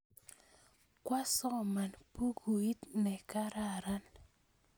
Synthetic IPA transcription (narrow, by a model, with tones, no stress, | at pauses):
kwa˦sɔ˦˨ma˨npu˦ɡu˨i˦t̪nɛ˨ka˦ɾa˦˨ɾa˦n